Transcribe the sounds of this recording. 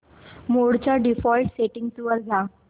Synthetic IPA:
moɽt͡ɕaɖifɔlʈseʈiŋɡt̪uʋəɾd͡zʱa

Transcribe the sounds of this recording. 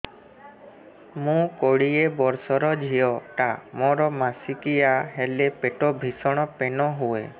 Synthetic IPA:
mũkoɽiebɔɾsɔɾɔd͡ʒʱijɔʈamɔɾɔmasikijaɦelepeʈobʱisɔɽ̃ɔpenɔɦuḛ

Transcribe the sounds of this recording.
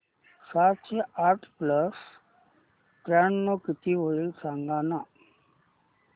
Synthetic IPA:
sat͡ɕeaɾʈpləs | kɾaɳnokit̪ʰiɦoɭisãŋɡana

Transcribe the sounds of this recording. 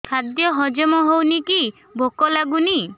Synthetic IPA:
kʰad̪jɔɦɔd͡ʒɔmɔɦowniki | bʱokɔlaɡuni

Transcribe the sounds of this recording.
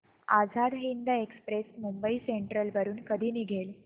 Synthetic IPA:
a̰d͡zʱad̪ɦind̪əekspɾesmumbəiseɳʈɾəlʋəɾuːnkəd̪ʱiːniːɡʱel

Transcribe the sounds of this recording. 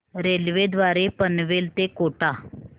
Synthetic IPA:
ɾeːlʋed̪ʋaːɾepənʋeːlt̪ekoːʈaː

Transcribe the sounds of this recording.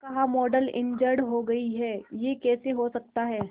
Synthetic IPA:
kɐɦamɔːɖəlɪ̰̃ɲd͡ʒəɽɦoɡɐiɦɛːjekɛːseɦosɐk̚t̪aɦɛː

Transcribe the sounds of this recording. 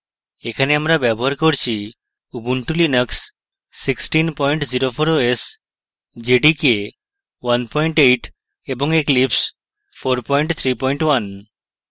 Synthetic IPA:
ekʰaneamɾabɛbɔɦaɾkoɾt͡ʃʰi | ubuɳʈulinəksː | iksʈinpɔjɳʈziɾopʰoɾoes | d͡ʒeɖike | wanpɔjɳʈejʈ | ebɔŋeklips | pʰoɾpɔjɳʈt̪ʰɾipɔjɳʈwan

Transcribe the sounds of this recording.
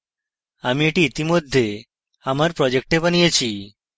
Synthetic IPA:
amieʈiit̪imod̪ʱːe | amaɾpɾɔd͡ʑek̚ʈepanijet͡ɕʰi

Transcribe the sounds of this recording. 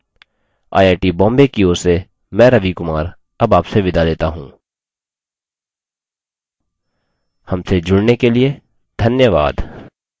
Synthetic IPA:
a̰ːeːʈibɔ̃ːmbekioːɾse | mɛ̃ɾɐʋikʊmaːɾ | ɐbaːpseʋɪd̪ʱaleːt̪aɦũː | hɐmsed͡ʒʊɽnekelie | d̪ʱɐnjəʋa̰ːd̪

